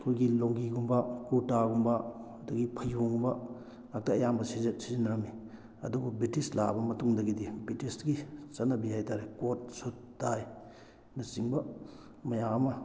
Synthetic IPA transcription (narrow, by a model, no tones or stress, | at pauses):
kʰojɡiloŋɡiɡumbɐkuɾtaɡumbɐ | dɐɡipʰɐjuŋubɐ | ak̚tɐːjambɐsizɐsizinɐɾɐmi | ɐ̰dububitisla̰bɐmɐtuŋdɐɡidibitisɡit͡ʃɐnːɐbihajtaɾekot̚sutːaj | nɐsiŋbɐ | mɐjaɐmɐ